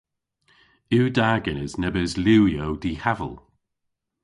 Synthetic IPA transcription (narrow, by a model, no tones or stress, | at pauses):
iwdaːɡənəznɛbəzluːwjowdiːhavə̰lˠ